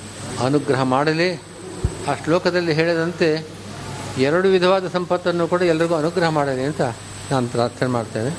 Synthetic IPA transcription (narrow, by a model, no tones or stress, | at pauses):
ɐnuɡɾɐɦɐmaːɽɐli | ɐʂʈɐlɔːkɐd̪ɐlːiɦeːɭid̪ɐnt̪e̞ | ɛɾɐɽuʋid̪ʱɐʋaːd̪ɐsɐmpɐt̪ːɐnːuːkuːɽɐɛlːɐɾiɡuːɐnuɡɾɐɦɐmaːɽɐliɐnt̪ɐ | naːnupɾaːɾt̪ʰenemaːɽt̪ːeːne